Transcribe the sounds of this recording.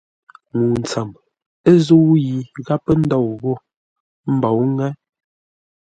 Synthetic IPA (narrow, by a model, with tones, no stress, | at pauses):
ŋu˨n̩˨t͡sa˨m | e˦zo˦wji˨ɣa˦pə˦n̩˦dɔ˦˨wɣo˦˨ | m̩˦bɔ˨wŋɛ˦